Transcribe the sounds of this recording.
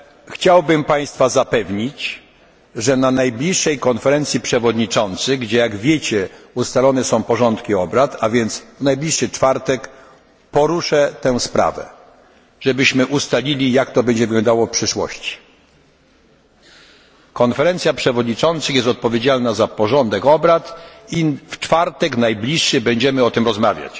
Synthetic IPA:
xt͡ɕawbɘmpaj̃st̪fazapɛvɲit͡ɕ | ʐɛnanajblʲiʂːɛjkɔnfɛɾɛnt̪sʲjipʂɛvɔd̪ɲit͡ʂɔnt̪sɘɡd͡ʑɛjaɡvʲjet͡ɕɛust̪alɔnɛsɔ̃w̃pɔʐɔnt̪kʲiɔbɾat̪avʲjɛnt̪svnajblʲiʂːɘt͡ʂfaɾt̪ɛk | pɔɾuʂɛt̪ɛw̃spɾa̰vɛ̰ | ʐɛbɘɕmɘʔust̪alʲilʲijakt̪ɔbɛɲd͡ʑɛvɘɡlɔnd̪awɔfpʂɘʂwɔ̰ɕt͡ɕi̥ | kɔnfɛɾɛnt̪sʲjapʂɛvɔd̪ɲit͡ʂɔnt̪sɘxjɛst̪ɔt̪̚pɔvʲjed͡ʑalnazapɔʐɔnd̪ɛkɔbɾat̪ift͡ʂfaɾt̪ɛknajblʲiʂːɘbɛɲd͡ʑɛmɘɔt̪ɘmɾɔzma̰vʲja̰t͡ɕ

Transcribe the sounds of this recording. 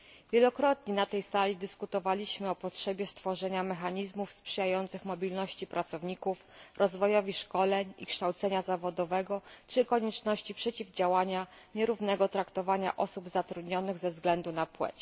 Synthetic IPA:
vʲjɛlɔkɾɔt̪ɲɛnat̪ɛjsalʲid̪ɘskut̪ɔvalʲiɕmɘɔpɔtʂɛbʲjɛst̪fɔʐɛɲamɛxaɲizmufspʂɘjajɔnt̪sɘxmɔbʲilnɔɕt͡ɕipɾat̪sɔvɲikufɾɔzvɔjɔvʲiʂkɔlɛɲḭkʂt̪awt̪sɛɲazavɔd̪ɔvɛɡɔt͡ʂɘkɔɲɛt͡ʂnɔɕt͡ɕipʂɛt͡ɕivd͡ʑawaɲa | ɲɛɾuvnɛɡɔt̪ɾakt̪ɔvaɲa̰ʔɔsubzat̪ɾud̪ɲɔnɘɣzɛvzɡlɛnd̪unapwɛ̰t͡ɕ

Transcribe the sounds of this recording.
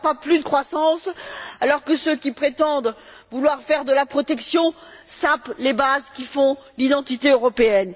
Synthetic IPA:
paplyd̪əkχwasɑ̃salɔʁkəsøkʲipχet̪ɑ̃d̪ | vulwaʁfɛʁd̪əlapχɔt̪ɛksjɔ̃saplebazkʲifɔ̃lid̪ɑ̃t̪it̪eøʁɔpeɛn

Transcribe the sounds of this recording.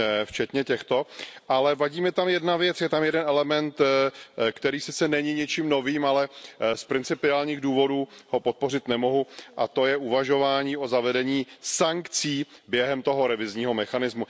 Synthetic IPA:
ft͡ʃɛt̪ɲɛcɛxt̪o̞ʔalɛvaɟiːmɪt̪amjɛdnavjɛt͡sjɛt̪amjɛdɛnɛlɛmɛnt̪ | kt̪ɛɾiːsɪt͡sɛnɛɲɪɲɛt͡ʃimno̞viːmalɛspɾɪnt͡sɪpɪaːlɲiːɣduːvo̞duːho̞pot̪̚po̞rɪt̪nɛmo̞ɦuʔat̪o̞jɛʔuvaʒo̞vaːɲiːʔo̞zavɛdɛɲiːsaŋkt͡siːbjɛɦɛmt̪o̞ɦo̞ɾɛvɪzɲiːɦo̞mɛxanɪzmu

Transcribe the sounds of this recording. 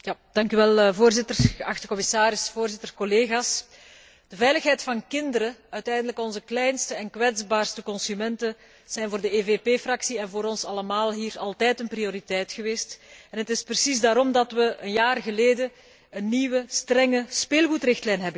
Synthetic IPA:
jad̥ɑŋkyʋɛlˠvoːrzɪtərɣəʔɑxtəkɔmɪsaːɾɪsfoːrzɪtərkɔleːɣaːs | d̥əvɛjləxɦɛjtfɑnkɪndəɾəœɥtɛjndələkɔnzəklɛjnstəɛnkʋɛdzbaːrstəkɔnsymɛntə | z̥ɛjnvoːrdəeveːpeːfrɑksiɛnvoːɾɔnsɑləmaːlˠɦiːɾɑlˠtɛːjtənprioɾitɛjtxəʋeːstɛnɦətɪsprəsizdaːɾɔmdɑtʋəʔənjaːrɣəleːdə | ənːiːwəstrɛŋəspeːlˠɣutrɪxtlɛjnɦɛbə

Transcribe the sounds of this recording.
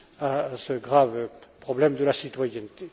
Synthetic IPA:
asəɡʁavpχɔblɛmd̪əlasit̪wajɛnt̪e

